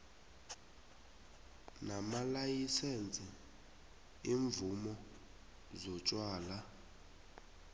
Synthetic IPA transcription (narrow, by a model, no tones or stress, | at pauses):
namalajisent͡sʼi | iɱvumɔ | zɔt͡ʃʼwaːla